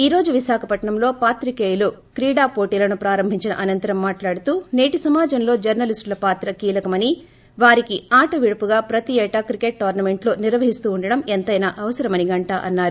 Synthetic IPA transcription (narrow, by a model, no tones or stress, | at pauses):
iːɾo̞ːd͡ʒuʋisaːkʰɐpɐʈɳɐmlo̞ːpaːt̪ɾikeːjulukɾiːɽaːpoːʈiːlɐnupɾaːɾɐmbʱiɲt͡ʃinɐ̰ʔɐnɐnt̪ɐɾɐmːaːʈlaːɽut̪uːne̞ːʈisɐmaːd͡ʒɐmlo̞ːd͡ʒɐɾnɐlisʈlɐpaːt̪ɾɐkiːlɐkɐmɐni | ʋaːɾikiaːʈɐʋiɽɐpuɡaːpɾɐt̪iɛːʈɐkɾikeʈʈoːɾnɐme̞ɳʈlo̞ːniɾʋɐɦist̪uːɳɖɐɽɐment̪ɐjnaːʔɐʋɐsɐɾɐmɐniɡɐɳʈaːʔɐnːaːɾu